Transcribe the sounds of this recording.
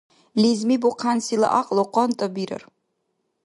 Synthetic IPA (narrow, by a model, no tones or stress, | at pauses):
lizmiboqʰansila̰ʔaqʼlˠoqʷʼɔnt̪ʼɐbiɾɐ̰r